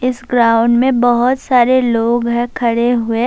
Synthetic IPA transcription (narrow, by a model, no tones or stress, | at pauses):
ɪsɡɾaːʊ̃ɳɖmẽbɐɦʊt̪saːɾeloːɡɦɛ̃kʰɐɽeɦʊe